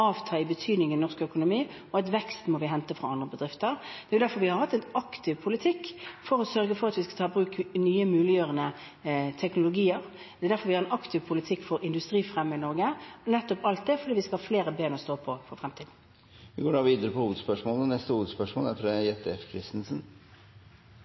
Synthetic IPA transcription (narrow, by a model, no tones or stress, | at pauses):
ɑːʋt̪ʰɑːɪbət̪ʰyːd̪nɪŋənɔʁskœkʊnʊmiː | ɔɑt̪ʋɛkst̪mɔʋɪɦɛnt̪əfɾɑɑnd̪ʁəbəd̪ʁɪft̪əʁd̪ɛæjʊd̪æɾfɔɾʋɪhɑɾhɑt̪ːɛnɑkt̪ɪʋpʰʊlɪt̪ʰɪkːfɔɾɔsœɾɡəfɔɾɑt̪ʋɪskɑt̪ʰɑːbɾʉːknyːəmʉːlɪjøːʁənə | t̪ʰɛknʊlʊɡiːəʁ | d̪ɛæd̪æɾfɔɾʋɪhɑɾɛnɑkt̪ʰɪʋpʰʊlɪt̪ʰɪkːfɔɾɪnd̪ʉst̪ʁiːfʁɛmːəɪnɔɾɡənɛt̪ːɔpɑlt̪̚d̪ɛfɔɾd̪iːʋɪskɑhɑfleːɾəbeːnəɔst̪oːpʰɔfɔɾfʁɛmt̪ʰiːd̪n̩ | ʋɪɡoːɖɑːʋiːd̪əɾəpɔhuːʋəd̪spœʂmɔːlnɛst̪əhuːʋəd̪spœʂmo̰ːlæfɾɛjɛt̪ːɛfkʰɾɪst̪nsən̩